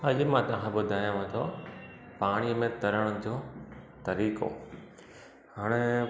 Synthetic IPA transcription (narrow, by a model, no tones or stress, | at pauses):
ɐd͡ʑmãt̪ɐʋãkʰẽbʊd̪ʱaːjãʋẽt̪ʰo | paːɽ̃iəmẽt̪ɐɾəɽ̃ʊd͡ʑoːt̪ɐɾiːko̰ | ɦaːɽ̃e